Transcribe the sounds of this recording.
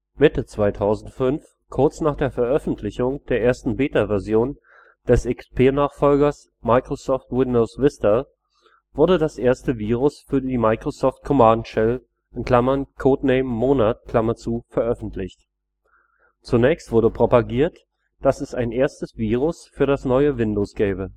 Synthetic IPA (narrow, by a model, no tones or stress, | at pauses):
mɪtət͡sv̥aɪtʰaʊzn̩tfʏnf | kʰʊɐt͡snaːχd̥eːɐfɛɐʔœfn̩tʰlɪçʊŋd̥eːɐʔeːɐstn̩beːtavɛɐzjoːn | d̥ɛsʔɪkspʰeːnaːχfɔlɡɐs | maɪkʁ̥osɔːftwɪndoʊsvɪstɐ | vʊɐdədasʔeːɐstəviːʁʊsfyːɐdiːmaɪkʁ̥osɔːft̚kʰɔmaːdnʃɛl | ʔɪnkl̥amɐnkʰoːtneɪmːoːnat̚kʰl̥amɐt͡suːfɛɐʔœfn̩tʰlɪçt | t͡sunɛːçstv̥ʊɐdəpʁ̥opaɡiːɐt | d̥asɛsaɪnʔeːɐstəsv̥iːʁ̞ʊsfyːɐɾasnɔʏəvɪndoːsɡ̥ɛːbə